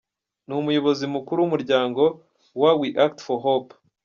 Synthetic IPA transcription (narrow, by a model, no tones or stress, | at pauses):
numujo̞βo̞zimukuɾuwumuɾɟaːŋɡo̞ | wawiʔaktfoɦop